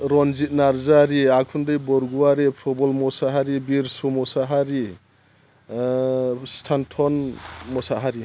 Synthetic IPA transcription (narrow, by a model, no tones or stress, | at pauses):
ɾɔnzit̚naɾzaɾiakʰundɯjbɔɾɡuaɾipʰɾɔbɔlmɔsaɦaɾibiɾsɔmɔsaɦaɾi | stʰantʰɔnmɔsaɦaɾi